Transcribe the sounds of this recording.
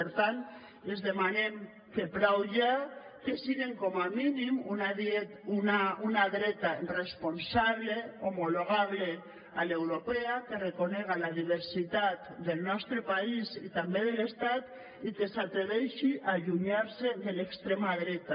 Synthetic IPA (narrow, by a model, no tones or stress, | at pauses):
eɾt̪ant̪ | ezðemanem | kepɾawʒa | kesiɣeŋkɔmaminimunaðet̪unaunaðɾɛt̪aresponsaβleomoloɣ̞aβ̞le | alewɾopeakerekonɛɣ̞alaðiβ̞eɾsit̪at̪d̪elˠnɔst̪ɾepaisit̪ambeðelest̪at̪ | ikesat̪ɾeβɛʃiʔaʎuɲaɾseðelekst̪ɾemaðɾɛt̪a